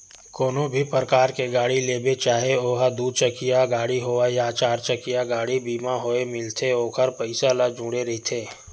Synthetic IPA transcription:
koːnõbʱipəɾəkaːɾkeɡaːɽileːbet͡ʃaːɦeoːɦad̪uːd̪̚t͡ʃəkijaɡaːɽiɦoːajaːt͡ʃaːɾt͡ʃəkijaɡaːɽibiːmaɦoemɪlt̪ʰeoːkʰəɾpəɪsalad͡ʒũːɽeɾɐɦit̪ʰeː

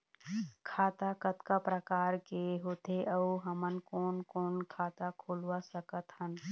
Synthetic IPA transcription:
kʰaːt̪akət̪kapɾəkaːɾkeɦoːt̪eʔəuɦəmənkoːnkoːnkʰaːt̪akʰoːlwasəkət̪hən

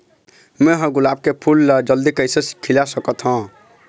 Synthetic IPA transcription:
meɦʌ̃ɡulab̚kepʰulːd͡ʒʌld̪ikəjsesi̥kʰːilasəkət̪ʰɦɔ̃

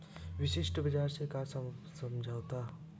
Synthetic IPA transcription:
bisisʈʌbid͡ʒaɾsekas | sʌmd͡zʱawt̪a

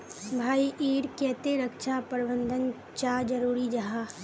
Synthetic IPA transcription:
bʱaːiʔiːɾkɛːt̪eɾəkʃapəɾɪbə̃nd̪ʱən | t͡ʃad͡ʒəɾuːɾid͡ʒɐɦaː

